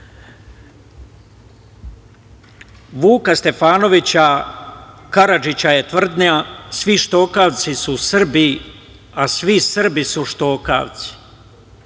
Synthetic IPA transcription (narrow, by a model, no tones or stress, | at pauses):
ʋuːkast̪e̞faːno̞ʋit͡ɕa | kaɾad͡ʒit͡ɕaje̞t̪ʋr̩d̪niasʋiʃt̪o̞ːkaʋt̪sisusr̩bi | asʋisr̩bisuʃt̪o̞ːka̰ːʋt̪si̥